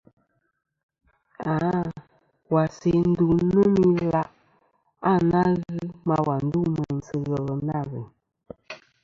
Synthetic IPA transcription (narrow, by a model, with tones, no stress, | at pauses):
a˨˦ | wa˨se˨n̩˦du˨˦nə˦mi˦la˦ʔ | a˦˨na˦ɣɨ˦ma˦wa˨n̩˦du˦mə˨n̩˨t͡sə˨ɣə˨lə˨na˦˨ɣə˨